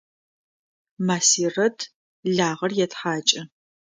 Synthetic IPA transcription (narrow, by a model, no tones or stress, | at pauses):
maːsiːrɐtʰ | ɮaːʁɐrjɛtħaːt͡ʃʼɐ